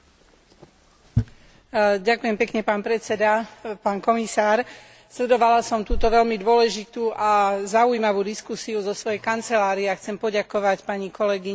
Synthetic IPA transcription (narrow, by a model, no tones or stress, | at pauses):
ɟakujɛmpɛkɲɛpaːnpɾɛt͡sɛd̪apaːnkɔmisaːɾ | slɛd̪ɔʋalasɔmt̪uːt̪ɔʋɛʎmid̪ʊɔlɛʒit̪uːʔazaujimaʋuːd̪iskusiuzɔsʋɔjɛkant͡sɛlaːɾiɛaxt͡sɛmpɔɟakɔʋacpaɲikɔlɛɡiɲ